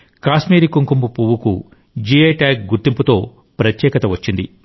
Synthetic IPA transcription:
kaːsmiːɾikuŋkumbupuʋukṵ | d͡ʒieːʈaːk̚ɡuɾt̪imput̪o̞ː | pɾɐt̪jɛːkɐt̪ɐʋɐt͡ʃːind̪i

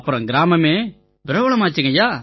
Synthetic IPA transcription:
ɐpːɯɾɐ̃ɡɪɾaːmɐmeː | bɪɾɐʋɐɭɐmaːt͡ʃːɯŋɡɐjaː

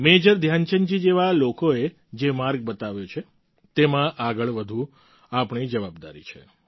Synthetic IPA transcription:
med͡ʒəɾd̪ʱjant͡ʃənt͡ʃid͡ʒeʋalokoe | d͡ʒemaɾɡ̚bət̪aʋjot͡ʃʰe | t̪emãʔaɡəɭʋəd̪ʱũ | apɳid͡ʒəʋabd̪a̰ɾḭt͡ʃʰe

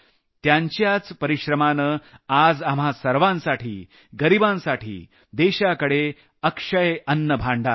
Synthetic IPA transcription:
t̪jãɲt͡ɕjat͡spəɾiɕɾəmanəad͡zamɦasəɾʋãnsaʈʰiː | ɡəɾibãnsaʈʰḭː | d̪eɕakəɽe | əkʂəjʔənːəbʱaɳɖa̰

